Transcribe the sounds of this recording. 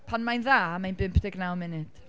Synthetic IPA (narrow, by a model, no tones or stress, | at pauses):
pʰanmajnðaːmajnbɪmpʰd̥ɪɡnawmɪnɪd̥